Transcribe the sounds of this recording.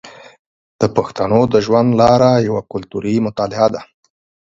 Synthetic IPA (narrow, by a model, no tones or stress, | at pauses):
d̪̥əpaxt̪anod̪əʒwand̪lɑɾajawakʊlt̪uɾimʊt̪ɑlɪad̪a